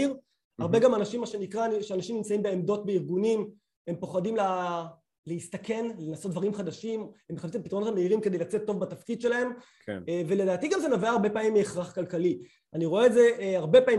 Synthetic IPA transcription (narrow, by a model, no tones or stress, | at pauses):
iʁ | aʁbeɡamanaʃimːaʃe̞nikʁaniʃeanaʃimnimt͡saimbe̞ːmd̪o̞t̚beiʁɡunim | e̞mpo̞χadimla | leist̪ake̞nlenasot̪̚dvaʁimχad̪aʃimemːeχapsimpit̪ʁonot̪ameiʁimked̪ejlat͡set̪ːo̞vbatafkid̪ʃe̞lahe̞mkvele̞daːt̪iɡamzenaveaːʁbe̞pamimːieχʁaχkalkali | aniʁo̞eːtzeaʁbe̞pai